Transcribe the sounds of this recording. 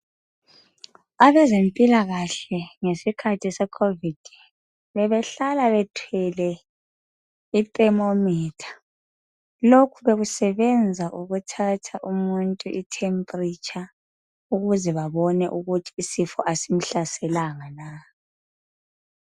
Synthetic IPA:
aβɛzempʼilaɣaɬɛŋesikʰatʰisɛkʰovid̥ʱ | βɛβɛɬalaβɛtʰwɛlɛ | itʼɛmomiːtʰḁ | lokʰuβeɣusɛβɛnd͡zʱaʔuɣutʰatʰaʔumuntʼuʔitʰɛmpʼrit͡ʃʰʼa | uɣuzɛβaβɔnɛ̰ʔuɣutʰi̥ːsifɔʔasim̩ɬasɛlaŋana

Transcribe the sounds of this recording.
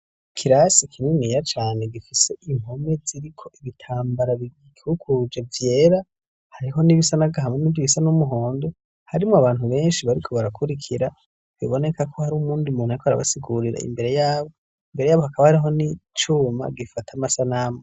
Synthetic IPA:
kʰiɾasikʰininijat͡ʃaːne̞ɡifise̞ʔim̥ho̞me̞ziɾikʰo̞ʔiβitʰaːmbaɾaβiɡikukʰud͡ʒevje̞ːɾa | haɾiɦo̞niβisanavɡaɦamŋeniviβisanumuɦo̞ːndo | haɾimŋoaβaːn̥huβe̞ːnʃiβaɾikʰo̞βaɾakʰuɾikʰiɾa | βiβo̞ne̞kʰakʰohaɾuːmuːndimuːnhaɾikoaɾa̰βa̰siɡuɾiɾa̰ḭmbe̞ɾe̞jaːβo | imbe̞ɾe̞jaːβohakaβahaɾiɦo̞nit͡ʃuːma̰ɡifatʰamasanaːmo

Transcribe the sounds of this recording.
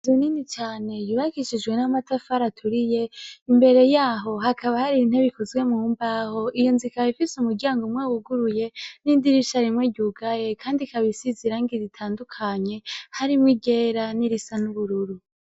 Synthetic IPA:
zininit͡ʃaːne̞juβakiʃid͡ʒɡwe̞namatafaɾatʰuɾije̞imbe̞ɾe̞jaːɦo̞ɦakʰaβahaɾin̥he̞βikozɡwe̞mŋuːmbaho̞ʔijo̞nzikaifisumuɾɟaaːŋɡomŋeːwuɡuɾuje̞nindiɾiʃaɾimweɟuɡaje̞kʰaːndikaβisiziɾaːŋɡizitʰaːndukʰaɲe̞haɾimŋwiɡe̞ːɾaniɾisanuβuɾuɾu

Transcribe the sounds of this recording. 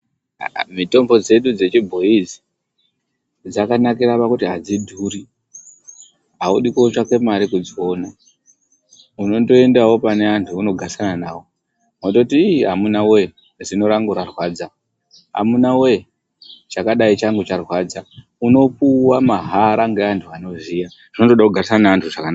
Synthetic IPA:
mito̞mbo̞d͡ze̞ɗud͡ze̞t͡ʃibʱo̞izi̥ | d͡zakanakiɾapakutiɦad͡zidʱuɾi | ɦauɗikoot͡ʃake̞maɾikud͡zona | uno̞ndo̞endawo̞pane̞antʰuuno̞ɡʱasananaːwo̞ | motoutiɦamunawe̞ | ʐino̞ɾaŋɡuɾarwaːd͡za | ɦa̰munawe̞ | t͡ʃakaɗait͡ʃaŋɡut͡ʃarwad͡za | uno̞puwamaɦaɾaŋɡeantʰuano̞ʐija | ʐ̥ino̞toɗakuɡʱarisananaantʰuʐakanaa

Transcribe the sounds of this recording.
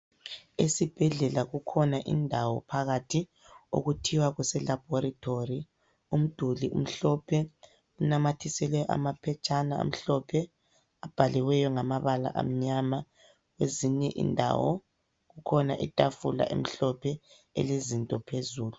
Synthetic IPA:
esib̥ʱɛɮɛlaɣukʰɔnaʔḭndʱawɔpʰaɣatʰi | o̰ɣutʰiwaɣwɛsɛlab̥ʱɔɾatʰori | um̩d̥ʱuliʔṵm̩ɬɔpʰɛ | unamatʰisɛlɛʔa̰mapʰɛt͡ʃʼanao̰m̩ɬɔpʰɛ | ab̥ʱaliwɛjɔŋamaβala̰ʔa̰m̩ɲama | ɣweziɲɛʔḭndʱa̰wɔ̰ | ɣukʰɔnaʔitʼafula̰ʔḛm̩ɬɔpʰɛ | ḛlezintʼɔpʰezuːlu

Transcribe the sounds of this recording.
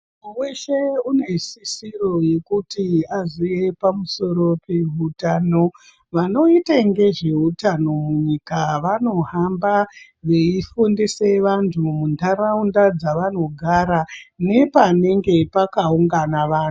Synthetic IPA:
uweʃeune̞sisiro̞je̞kutiaʐije̞pamuso̞ɾo̞pe̞ɦutaːno̞ | ʋano̞itaŋɡe̞ʐe̞utano̞muɲikaʋano̞ɦamba | ʋe̞ifundise̞ʋantʰumundʱaɾaundad͡zaʋano̞ɡʱaɾane̞pane̞ŋɡe̞pakauŋɡanaʋaːntu

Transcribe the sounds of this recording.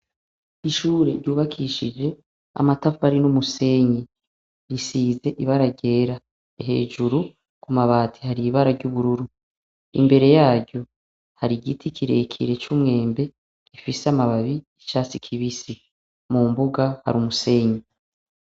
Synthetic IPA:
iʃuːɾeɾɟuːβakʰiʃid͡ʒe̞ | a̰matafaɾinumuse̞ːɲi | ɾisiːze̞ʔiβaɾaɟe̞ːɾa | eɦe̞̰ːʒuɾu | kumaβaːtʰi̥haɾiβaɾaɾɟuβuɾuɾu | ḭmbe̞ɾe̞jaːɾɟo̞ | haɾiɡitʰikʰiɾe̞̰kʰḭɾe̞t͡ʃuːmŋe̞ːmbe̞ | kifiseamaβaβiːt͡ʃaːsikʰiβisi | mumbuɡaha̰ɾumuse̞ːɲi

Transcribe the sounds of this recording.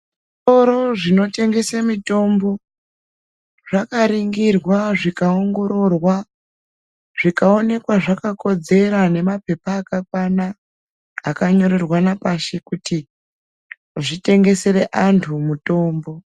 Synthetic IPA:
soɾoʐino̞te̞ŋɡe̞samito̞mbo̞ | ʐakaɾiŋɡirwaʐikaoŋɡo̞ɾo̞rwa | ʐikao̞ne̞kwaʐakako̞d͡ze̞ɾane̞mape̞paːkakwanaː | kaɲo̞ɾe̞rwanapaʃekuti | ʐite̞ŋɡe̞seɾe̞ʔantʰumuto̞ːmbo̞

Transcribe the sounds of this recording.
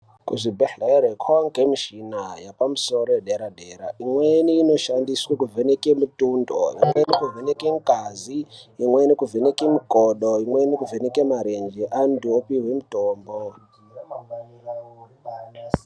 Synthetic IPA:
kṵʐibʱeħleɾekʰoŋɡemiʃinajapamusoɾojeɗeɾadʱeɾa̰ʔimweniːno̞ʃandiswakuvʱenekemutundo̰jimwenikuvʱenekeŋkʼazijimwenikuvʱenekemikʼoɗoimwenikuvenekemaɾend͡ʒeʔandopiɦwemutoːmbo

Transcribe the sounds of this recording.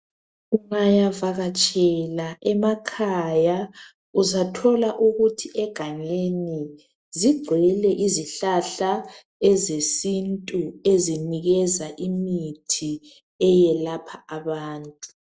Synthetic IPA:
uŋajavaɣat͡ʃʼɛlaʔɛmakʰaja | uzatʰɔlaʔuɣutʰiʔɛɡ̥ʱaɲeni | ziɡ͡ǀʱwɛlɛʔiziɬaɬa | ɛzesintʼueziniɣɛzaʔimitʰi | ɛjɛlapʰaaβaːntʼu

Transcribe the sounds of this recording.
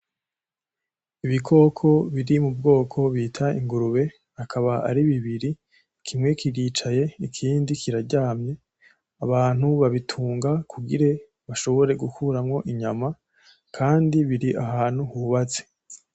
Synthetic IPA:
iβikʰo̞ːkʰo̞βiɾimub̚ɡo̞ːkʰo̞βiːtʰaiŋɡuɾuβe̞ | akʰaβaa̰ɾiβiβiɾi | kʰimŋe̞kiɾit͡ʃaje̞ikʰiːndikʰiɾaɾɟaːmɲe̞ | aβaːn̥huβaβitʰuːŋɡakʰuɡiɾe̞ | βaʃo̞βo̞ɾe̞ɡukʰuɾamŋo̞ʔiɲama | kʰaːndiβiɾiʔaɦaːn̥huhuβat͡se̥

